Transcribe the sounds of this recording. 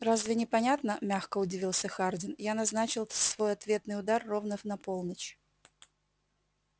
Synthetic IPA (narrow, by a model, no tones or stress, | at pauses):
razvʲɪnʲɪpɐnʲat̪nəmʲaxkəʊdʲɪvʲilˠsʲəxardʲɪnjanɐznat͡ɕɪlˠsvo̞jɐt̪vʲe̞t̪nɨjʊd̪arːo̞vnəvnɐpo̞lˠnət͡ɕ